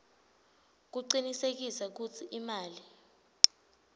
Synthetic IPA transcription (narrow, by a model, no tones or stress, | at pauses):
k̬uǃinisek̬isak̬ut͡sʰiʔimaːli